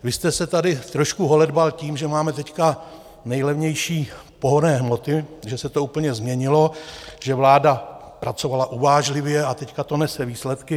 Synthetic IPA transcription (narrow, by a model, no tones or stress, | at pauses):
vɪst̪ɛsɛt̪adɪt̪ɾo̞ʃkuɦo̞lɛdbalciːmʒɛmaːmɛt̪ɛcka | nɛjlɛvɲɛjʃiː | po̞ɦoɾnɛːɦmo̞t̪ɪʒɛsɛt̪o̞uːpl̩ɲɛzmɲɛɲɪlo̞ʒ̥ɛvlaːda | pɾat͡so̞valaʔuvaːʒlɪvjɛat̪ɛckat̪o̞nɛsɛviːslɛt̪kɪ